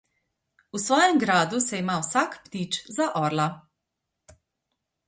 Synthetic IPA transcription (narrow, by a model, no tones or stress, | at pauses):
usʋɔːjɛmɡɾaːd̪usɛimawsakpt̪iːt͡ʃzaʔɔːɾla